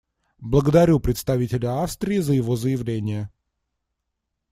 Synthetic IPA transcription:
blˠəɡəd̪ɐɾʲupɾʲɪt̪st̪ɐvʲitʲɪlʲəafst̪ɾʲɪːzəjɪvo̞zəjɪvlʲenʲɪjə

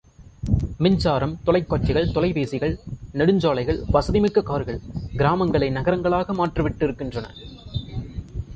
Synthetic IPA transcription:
mɪɲd͡ʒaːɾɐmt̪ɔlɐɪkːaːt͡ʃːɪɣɐɭt̪ɔlɐɪʋeːsɪɣɐɭnɛɽɯɲd͡ʒaːɭɐɪɣɐɭʋɐsɐðɪmɪkːɐkaːɾɯɣɐɭɡɪɾaːmɐŋɡɐɭɐɪnɐɣɐɾɐŋɡɐɭaːɣɐmaːʈrɐʋɪʈːɪɾɯkːɪndrɐnɐ̰

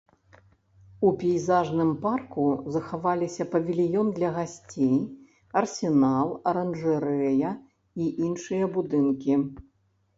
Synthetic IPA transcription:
upʲijzaʐnɨmparkuzɐxavalʲisʲɐpɐvʲilʲijɔnd̪lʲɐɣasʲt͡sʲej | ɐrsʲɛnalˠɐɾɐnʐɨɾɛjɐ | iʔinʂɨjɐbud̪ɨnkʲi

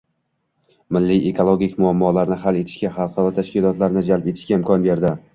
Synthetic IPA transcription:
mɪlːiekʰolˠoɡʲɪkʲmʊamːɒlaɾnɪɦale̞t̪ʰɪ̥ʃkʲaχɑlˠqɑɾˠɒt̪ʰaʃkʲɪlˠɒt̪laɾnɪd͡ʒalpe̞t̪ʰɪ̥ʃkʲaɪmkʰɒnbe̞ɾd̪ɪ

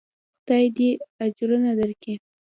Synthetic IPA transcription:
xd̪ɑjd̪ead͡ʒɾənad̪əɾki

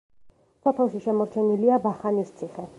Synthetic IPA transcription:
sɔpʰɛlˠʃiʃɛmɔɾt͡ʃʰɛniliabaχanist̪sʰiχɛ

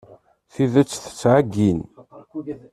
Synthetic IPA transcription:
θivət͡sːθə̥t͡sːʕaɡːin

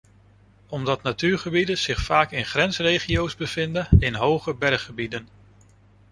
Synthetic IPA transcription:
ɔmdɑtnatyːɹχəbidəz̥ɪχfaːkɪnχrɛnsrejχiowzbəv̥ɪndənɪnɦowχəbɛɹχəbidən

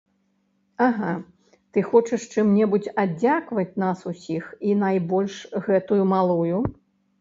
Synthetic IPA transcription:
aɣa | t̪ɨxɔt͡ʂɨʂt͡ʂɨmnʲɛbut͡sʲad͡zʲakvɐt͡sʲnasusʲixinajbɔlʲʂɣɛt̪ujumalˠuju

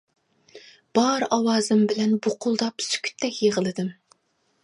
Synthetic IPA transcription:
b̥ɑɾɑwɑːzɪmbɪlɛnbʊqʰʊlˠd̪ɑpsy̥kʲʰy̥t̪ʰːɛkʲjeʁəlˠɨd̪ɪm

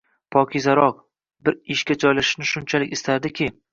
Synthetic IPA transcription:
pʰɒkʲʰizaɾɒq | bɪɾɪʃkʲad͡ʒɒjlaʃɪ̥ʃnɪʃʊnt͡ʃʰalɪkʲɪst̪ʰaɾd̪ɪkʲɪ

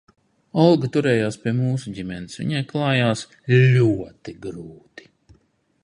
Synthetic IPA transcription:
ɔlˠɡat̪uɾɛːjaːspʲiɛmuːsuɟimɛnisʋʲḭɲajklˠɑːjaːs | ʎʲuɔt̪iɡɾuːt̪i̥

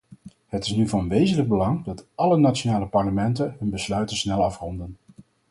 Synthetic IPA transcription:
hətɪ̥snyvɑnʋejzənləɡ̚bəlɑŋdɑtɑlənat͡ʃonaːləpɑɹləmɛntənɦɵnbəslœɥtəsnɛlˠɑfrɔndən

